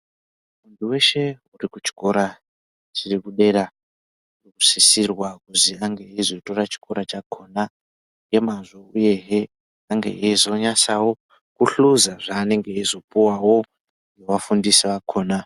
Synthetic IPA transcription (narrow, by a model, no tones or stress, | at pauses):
mundʰuwe̞ʃe̞urikut͡ʃi̥ko̞ɾa | ʐirikuɗe̞ɾa | uiku̥sisirwakuziaŋɡe̞izoto̞ɾat͡ʃi̥kʰo̞ɾat͡ʃakʰo̞ːna | je̞mazo̞uje̞ɦe | aŋɡḛʔezo̞ɲasawo̞ | kuɬuzaʐaːne̞ŋɡe̞izo̞puwawo̞ | jewafundisiʋakʰoːna